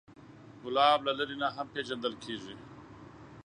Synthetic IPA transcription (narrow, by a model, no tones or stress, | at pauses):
ɡʊlaːblalɐɾinaɦɐmpeːʒɐnd̪əlkʰeːʐi